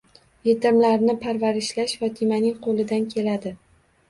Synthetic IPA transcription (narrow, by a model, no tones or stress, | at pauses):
jet̪ɪmlaɾnɪpʰaɾvaɾɪʃlaʃvat̪ʰimanɪŋqʰolɪd̪ankʲʰe̞lad̪ɪ